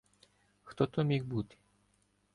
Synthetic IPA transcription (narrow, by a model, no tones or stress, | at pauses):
xt̪ɔt̪ɔmʲixbut̪ɪ̥